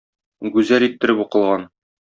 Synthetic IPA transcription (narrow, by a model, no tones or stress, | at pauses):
ɡʉzælit̪ːɘ̆ɾɘpuqɤ̆lˠʁɑn